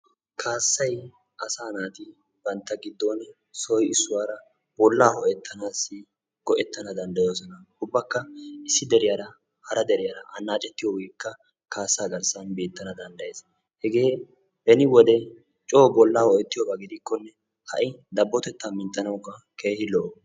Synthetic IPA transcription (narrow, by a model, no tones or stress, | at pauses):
kʰaːsːɐj | ʔɐsaːnaːt̪ɪ | b̥ɐnt̪ːɐɡɪd̪ːon | sɔjɪsːʊwaːɾɐ | bɔlːaːhɔʔɛt̪ʰːɐnaːsːɪ | ɡ̥ɔʔɛt̪ːɐnɐd̪ɐnd̪ɐjoːs̬ɔnɐhʊbːɐkːɐɪsːɪd̪ɛɾɪjaɾɐ | hɐɾɐd̪ɛɾɪjɐɾɐʔɐnːaːt͡ʃʼɛt̪ːɪjɔwiːkːɐ | kaːsːaːɡɐɾsɐnbe̞ːt̪ːɐnɐd̪ɐnd̪ɐjeːs | hɛɡe̞ː | bɛnɪwɔd̪ɛ | t͡ʃʼoːbɔlːaːhɔʔɛt̪ːɪjɔbɐɡɪd̪ɪkːɔnːɛ | hɐ̰ʔɪd̪ɐbːɔt̪ɛt̪ːɐmɪnt̪ʼːɐnɐwkːɐ | kʰeːhɪlɔ